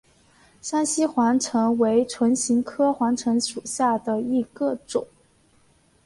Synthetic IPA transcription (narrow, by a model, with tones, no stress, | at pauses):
ʂa˥nɕi˥xwa˧˥nʈ͡ʂʰɤ˧˥ŋwe˧˥ɪʈ͡ʂʰwə˧˥nɕi˧˥ŋkʰɤ˥xwa˧˥nʈ͡ʂʰɤ˧˥ŋʂu˨˩ɕja˥˩d̪ə˩i˧˥ɡə˧ʈ͡ʂʊ̰˨˩˦ŋ